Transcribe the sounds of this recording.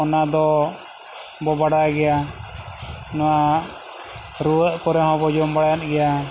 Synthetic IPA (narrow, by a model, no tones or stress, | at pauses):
ɔnad̪ɔ | bɔbaɽaɡɛja | nɔwa | ɾuwəʔkɔɾɛɦɔ̃bɔd͡ʒɔmbaɽjat̪̚ɡɛja